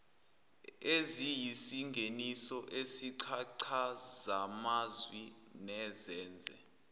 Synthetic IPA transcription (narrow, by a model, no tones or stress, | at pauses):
ezijisiŋɡʱenisɔʔesiǀʰaǀʰazamazwi | nɛzɛːnd͡zʱɛ